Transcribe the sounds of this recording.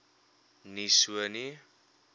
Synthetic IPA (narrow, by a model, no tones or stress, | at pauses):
nisuani